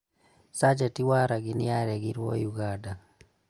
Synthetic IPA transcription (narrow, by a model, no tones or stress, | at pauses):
sad͡ʒatiwaɾaɡiniaɾɛɡiɾwɔ̰juɡada